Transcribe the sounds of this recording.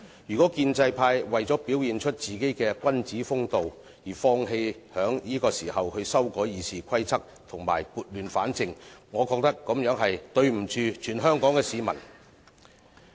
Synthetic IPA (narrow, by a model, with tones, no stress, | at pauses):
jyː˨˩kɔː˨˥kiː˧nt͡sɐ˧jpʰaː˧jwɐ˨jt͡sɔː˨˥piː˨˥wjiː˨nt͡ʃʰɵ˥t̚t͡siː˨ke˨˥jkɛː˧kʷɐ˥nt͡siː˨˥fʊ˥ŋt̪o˨w | jiː˨˩fɔː˧ŋɦe˧jhœː˨˥ŋjiː˥kɔː˧siː˨˩hɐ˨whɵ˧ɥsɐ˥wkɔː˨˥jiː˨˧siː˨kʰɐ˥jt͡sʰɐ˥k̚t̪ʰʊ˨˩ŋma̰ː˨˩jpuː˨˧t̚lyː˨˩nfaː˨˥nt͡sɪ˨ŋŋɔː˨˧kɔː˧k̚t̪ɐ˥kːɔ˨˥mjœː˨˥ŋɦɐ˨jt̪ɵ˧ɥm̩˨˩t͡ʃyː˨˧t͡ʃʰyː˨˩nɦœː˥ŋkɔː˨˥ŋkɛː˧siː˨˧mɐ̰˨˩n